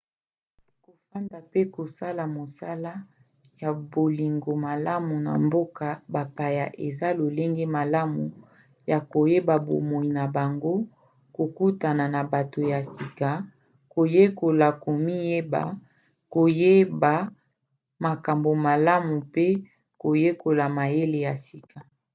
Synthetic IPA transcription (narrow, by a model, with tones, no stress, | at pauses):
ko˨fa˦nda˨pe˦ko˨sa˦la˨mo˨sa˦la˦ | ja˨bo˨li˨ŋɡo˨ma˨la˦mu˨na̰˨mbo˦ka˨ba˨pa˨ja̰˨ʔe˨za˦lo˨le˦ŋɡe˦ma˨la˦mu˨ | ja˨ko˨je˦ba˨bo̰˨mo˨i˨na˨ba˨ŋɡo˦ | ko˨ku˦ta˨na˨na˨ba˨to˨ja˨si˨ka˨ | ko˨je˦ko˨la˨ko˨mi˦je˦ba̰˨ | ko˨je˦ba˨ | ma˨ka˨mbo˨ma˨la˦mu˨pe˦ | ko˨je˦ko˨la˨ma˨je˦le˨ja˨si˨ka˨